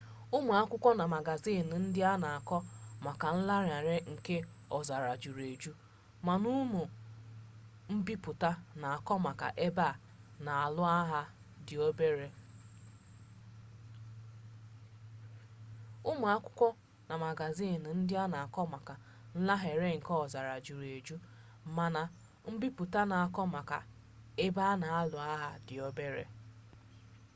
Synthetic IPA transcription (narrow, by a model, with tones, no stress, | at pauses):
ʊ˦mu˨a˦kʷʊ˦kʷɔ˦na˨ma˨ɡa˨zi˦˨n˨n̩˦dɪ˦a˦na˨a˨kɔ˦ma˨ka˨n̩˦la˦ɾa˨ɾe˦ŋ̩˨ke˦ | ɔ˨za˨ɾa˨d͡ʒu˨ɾe˨d͡ʒu˦ | ma˨nu˦mu˨ | m̩˦bi˦pʊ˨ta˦na˨a˨kɔ˦ma˨ka̰˨ʔe˦ba˦˨ | na˨a˨lʊ˦a˦ɦa˦ | dɪ˨o˦be˦ɾe˦ | ʊ˦mu˨a˦kʷʊ˦kʷɔ˦ | na˨ma˨ɡa˨zi˦˨n̩˨n̩˦dɪ˦a˦na˨a˨kɔ˦ma˨ka˨ | n̩˦la˦ɦe˨ɾe˦ŋ̩˨kɔ˦˨za˨ɾa˨d͡ʒu˨ɾe˨d͡ʒu˦˨ | ma˨na˨ | m̩˦bi˦pʊ˨ta˦na˨a˨kɔ˦ma˨ka̰˨ | e˦ba˦na˨a˦lʊ˨a˦ɦa˦dɪ˨o˦be˦ɾḛ˨